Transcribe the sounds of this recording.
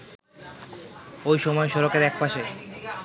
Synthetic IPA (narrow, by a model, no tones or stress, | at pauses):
ojʃɔmɔeʃɔɾokeɾɛk̚paʃe